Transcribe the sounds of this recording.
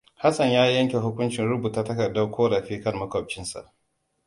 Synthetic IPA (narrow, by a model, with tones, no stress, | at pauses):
ha˦sɐ˨ɲjaː˦jɐ˦ŋkʲe˨ɦʊ˦kʷʊ˦nt͡ʃɪ˨nɾʊ˦buː˨ta˨˦tɐ˦kɐ˨rda˦wkʷoː˦ɽɐ˨ɸiː˦kɐ˦nmɐ˦kɔ˨b̚t͡ʃɪ˦nsa̰˨ʔ